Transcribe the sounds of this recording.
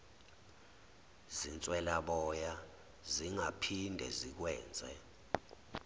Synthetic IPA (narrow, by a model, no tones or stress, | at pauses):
zint͡sʼwɛlaɓɔja | ziŋapʰindʱɛ̰zik̬wɛːnd͡zʱʼɛ